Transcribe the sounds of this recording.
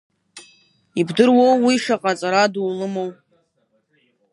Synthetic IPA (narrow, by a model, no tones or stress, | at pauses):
ibdɨrwowːiʃaqʼat͡sʼaɾaduːlɨmo̞wpʼ